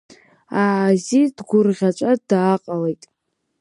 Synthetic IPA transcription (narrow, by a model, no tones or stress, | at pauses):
aːzidɡʷʊrʁʲat͡ʃʷʼadaːqʼalejtʼ